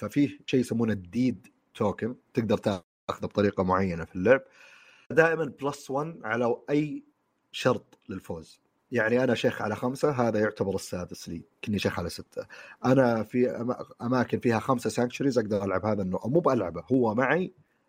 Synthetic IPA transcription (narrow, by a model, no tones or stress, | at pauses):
fafiːhʃeːjːɪsamːuːnad̪iːd̪ | t̪ʰoːkɪnt̪ɪɡ̚d̪ɑɾˤt̪aː | xʊðab̚t̪ˤɑɾiːqɑmʊʕajːanafilːʊʕb̚ | d̪aːʔɪmanblaswanːʕalaʔajː | ʃɑɾˤt̪ˤlɪlfoːz | jaʕniʔanaʃeːxʕalaxamsaɦaːðajʊʕt̪abɑɾˤɪsːaːd̪ɪslḭːkɪnːiʃeːxʕalasɪt̪ʰːaʔanafiaʔamaːkɪnfiːhaxamsasaːŋkt͡ʃʊɾizʔaɡ̚d̪ɑɾˤʔalʕabhaːðanːoːʔamuːbʔalʕabahʊwːamaʕi